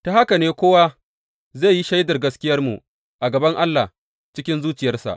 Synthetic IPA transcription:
ta˨ha˦ka˨neː˦kʷoː˦wa˦ | zeː˦˨ji˦ʃa˦jdɐ˨rɡɐ˦skʲɪ˦jɐ˦rmṵ˨ | ʔa˨ɡɐ˨bɐ˦ŋʔa˦lːa̰˨h | t͡ʃɪ˦kʲɪ˦nzuː˦t͡ʃɪ˨jɐ˦rsa̰˨ʔ

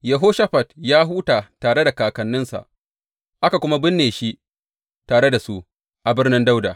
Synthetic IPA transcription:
jɐ˨ɦoː˦ʃa˦ɸɐ˨tjaː˦ɦuː˦taː˨taː˨ɽe˦da˨kaː˨kɐ˨nːɪ˦nsa̰˨ʔ | ʔa˦ka˨kʷʊ˦ma˦bɪ˦nːeː˨ʃi˦ʔ | taː˨ɽe˦da˨su˦ʔ | ʔa˨bɪ˦rnɪ˦nda˦wdaː˨

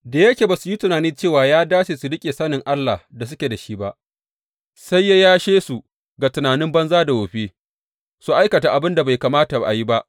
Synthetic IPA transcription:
daː˨jɐ˦kʲe˨baː˨su˨ji˦tʊ˨naː˨niː˦t͡ʃeː˦˨waː˨jaː˦daː˦t͡ʃeː˨su˨ɽɪ˦kʲʼe˨sɐ˦nɪ˨ŋʔa˦lːa̰˨da˨s̬ʊ˦kʲe˨da˨ʃi˦ba˦ʔ | sa˦jːa˦jaː˦ʃeː˦su˨ | ɡa˨tʊ˨naː˨nɪ˦mbɐ˦nzaː˦da˨woː˨ɸeː˦ | su˨ʔa˦jkɐ˨ta˨ʔa˨bɪ˦nda˨ba˨jkaː˨maː˦ta˨ʔa̰˨ji˦ba˦ʔ

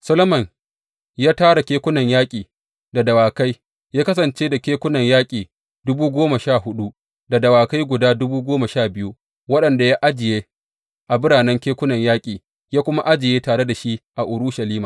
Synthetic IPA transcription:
sɐ˦lo˦mɐ˨n | jaː˦taː˦ɽa˨kʲeː˦kʷʊ˦nɐ˨ɲjaː˦kʲʼiː˨ | da˨dɐ˨waː˨ka˦j | jaː˦kɐ˦s̬ɐ˨nt͡ʃeː˦da˨kʲeː˦kʷʊ˦nɐ˨ɲjaː˦kʲʼiː˨ | dʊ˦buː˦ɡʷoː˦ma˨ʃaː˦˨hʊ˦ɗu˦ | da˨dɐ˨waː˨ka˦jɡʷʊ˨daː˦dʊ˦buː˦ɡʷoː˦ma˨ʃaː˦˨bɪ˦ju˦ | wɐ˦ɗɐ˨nda˨ja˦ʔa˦d͡ʒɪ˨jeː˦ | ʔa˨bɪ˦ɽaː˨nɛ˦ŋkʲeː˦kʷʊ˦nɐ˨ɲjaː˦kʲʼiː˨ | jaː˦kʷʊ˦ma˦ʔa˦d͡ʒɪ˨jeː˦taː˨ɽe˦da˨ʃi˦ʔa˨ʔʊ˨ɾuː˦ʃa˨liː˦maː˨

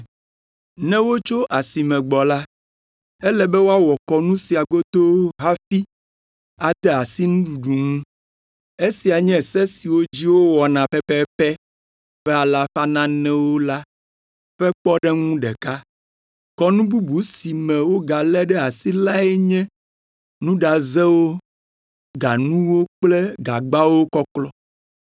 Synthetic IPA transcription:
nɛ̃˦wo˦t͡ʃo˦ʔa˨si˨mɛ̃˨ɡ͡bɔ˨la˦ | ɛ˦lɛ˨bɛ˦wo˦a˦wɔ˨kɔ˨nũ˦si˨a˨ɡo˦t̪o˦ɦa˦fi˦ | a˨d̪ɛ˦a˨si˦nũ˦ɖu˨ɖu˨ŋũ˦ | e˦si˨a˨ɲɛ̃˦sɛ˦si˨wo˦d͡ʑi˦wo˦wɔ˨nã˨pɛ˦pɛ˦pɛ˦ | ɸɛ˦a˨la˦fa˦nã˦nɛ̃˦wo˦la˦ | ɸɛ˦k͡pɔ˦ɖɛ˦ŋũ˦ɖɛ˨ka˦ | kɔ˦nũ˦bu˦bu˨˦si˨mɛ̃˨wo˦ɡa˨lɛ˦ɖɛ˦a˨si˦la˦ɛ˦ɲɛ̃˦ | nũ˦ɖa˨zɛ˦wo˦ | ɡa˨nũ˦wo˦k͡plɛ˦ɡa˨ɡ͡ba˦wo˦kɔ˦klɔ˦

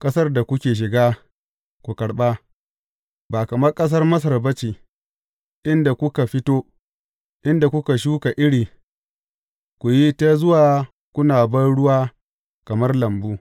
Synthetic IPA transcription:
kʼɐ˦sɐ˦rda˨kʷʊ˦kʲeː˨ʃ̬ɪ˨ɡaː˦ | kʷu˨kɐ˨ɽɓa˦ | baː˨kɐ˨mɐ˦rkʼɐ˦s̬ɐ˦rmɐ˦s̬ɐ˨rbɐ˦t͡ʃiː˨ | ʔɪ˦nda˨kʷʊ˦ka˨ɸɪ˦toː˦ | ʔɪ˦nda˨kʷʊ˦ka˨ʃ̬uː˦ka˨ʔɪ˦ɽiː˨ | kʷu˨ji˦ta˦zʊ˦waː˨ | kʷʊ˦naː˨bɐ˦nɽʊ˦waː˦ | kɐ˨mɐ˦rlɐ˨mbuː˦

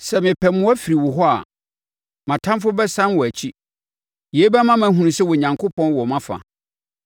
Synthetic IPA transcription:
sɛ˨mɪ̃˨pʰɛ˨mʊ̃˦æ˦fi˨ɾi˨wɔ˨ɦɔ˦a̰˨ | mã˨tʰã˦mfʊ˦bɛ˦sã˦nwɔ˨æ˨t͡ɕʰi˦ | je˨˦bɛ˦mã˦mã˦ɦũ˨ũ˨sɛ˦wɔ˨ɲã˨ŋkʰʊ˦pʰɔ̃˦nwɔ˨mã˦fa̰˨

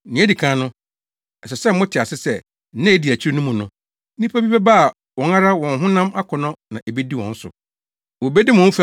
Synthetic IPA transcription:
nɪ̃˨˦æ˦di˨kʰãː˨˦nʊ̃˦ | ɛ˨sɛ˨sɛ˦mmʊ̃˦tʰɪ˨a˨sɪ˦sɛ˦ | nã˦e˦di˨æ˨t͡ɕʰi˦ɾi˦nʊ̃˦mũ˨nʊ̃˦ | nĩ˦pʰa˦bi˦bɛ˦ba˦a˨ | wɔ̃˨ŋa˦ɾa˦wɔ̃˨n˦ɦʊ̃˦nã˦ma˦kʰʊ˨nɔ̃˦nã˨ʔe˨be˦di˦˨wɔ̰̃˨n̩˦sʊ̰˨ | wo˨be˦dɪ˦mʊ̃˨˦f

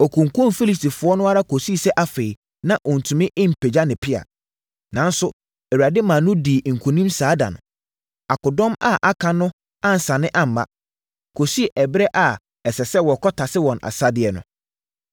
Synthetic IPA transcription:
ɔ˨kʰũ˨ŋkʰʊ̃˦nfi˦li˨s̬ti˨fʊ˨ɔ˦nʊ̃˦a˦ɾa˦kʰo˨si˦˨sɛ˦ʔa˦fe˨i˨ | nã˦ʔɔ˨n̩˨tʰũ˨mɪ̃˦ʔɪ̃˦m̩˨pʰɛ˨d͡ʑa˦nɪ̃˨pʰɪ˦a̰˨ | nã˨n˦sʊ˦ | ɛ˨wɥɾa˨dɪ˦mã˨nʊ̃˦diː˨ŋ̩˨kʰũ˨nĩ˦msaː˨˦dã̰˨ñ˨ | a˨kʊ˨dɔ̃˦ma˦˨ʔa˨kʰã˨nʊ̃˦ | ã˦n̩˨sã˨nɪ̃˦ʔã˦m̩˨ma̰˦ | kʰo˨si˦˨ʔɛ˨bɪ˦ɾɛ˦ʔa˨ | ɛ˨sɛ˨sɛ˦wɔ˨kʰɔ˦tʰa˨sɪ˦wɔ̃˨nʔa̰˨sa˦dɪ˨ɛ˨nʊ̰̃˦

